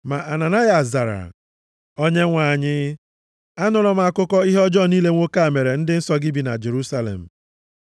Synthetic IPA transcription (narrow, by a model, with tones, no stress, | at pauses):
ma˨ʔa˨na˨na˦ja˨za˨ɾa̰˨ | o˦ɲe˦ŋʷa˨ɲɪ˦ | a˦nʊ˨ɾɔ˦m˦a˨kʊ˦kɔ˦i˦ɦɔ˦d͡ʒɔ˦˨niː˦le˦ŋʷo˦ka˦˨me˨ɾe˨n̩˦dɪ˦n̩˦sɔ˦ɡɪ˦bi˨na̰˨d͡ʒe˨ɾu˦sa˦lḛ˨m̩˨